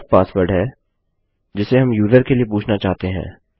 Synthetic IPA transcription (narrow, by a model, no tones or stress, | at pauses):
k̚paːswəɾɖɦɛ | d͡ʒɪseɦɐmjuːzəɾkeliep̬uːt͡ʃʰnat͡ʃaːɦt̪eɦɛ̰̃ː